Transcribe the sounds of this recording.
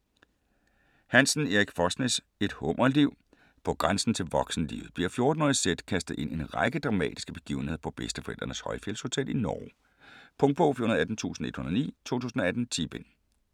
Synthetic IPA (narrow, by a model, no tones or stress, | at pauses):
hænsn̩eʁiɡ̥fɒsnes | e̝d̥hɔ̽mʔɐliʊ̰ | pʰɒ̽ɡ̥ʁänsn̩t͡sʰe̝lʋɒ̽ɡ̥sn̩lḭːʊð̩ˠb̥liɐ̰fjo̝ɐd̥n̩ɔːðˠsed̥kʰæsd̥ð̩ˠʔe̝n̰e̝nʁɑɪɡ̥əd̥ʁɑ̈mɛ̰ːd̥i̥sɡ̥əb̥e̝̥ɡ̥ḭːʊn̩he̝ð̰ˠɐpʰɒ̽b̥esd̥əfɒ̽eld̥ɐnəshɒ̽ɪfjel̰sho̝t͡sʰed̥inɒː | pʰɔ̽ŋ̚b̥ʰofḭhunɐðˠæd̥n̩t͡sʰṵːsn̩e̝d̥hunɐðˠnḭːt͡sʰo̝̰ːt͡sʰuːsn̩ɒ̽æd̥n̩t͡sʰib̥en